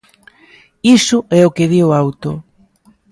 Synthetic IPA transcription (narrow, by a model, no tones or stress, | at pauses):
isʊɛʊkeðiwawt̪ʊ